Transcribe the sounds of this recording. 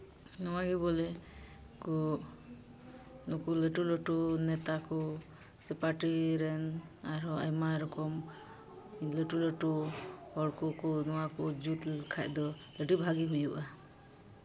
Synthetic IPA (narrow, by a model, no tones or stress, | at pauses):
nɔwaɡibɔlɛ | kɔ | nukuləʈulɔʈunɛt̪akɔ | sɛpaʈiɾɛnaɾɔa̰jmaɾɔkɔm | ləʈulɔʈuhɔɽkɔkɔnɔwakɔd͡ʒut̪kʰac̚d̪ɔ | ləʈibʱaɡiɦujuʔa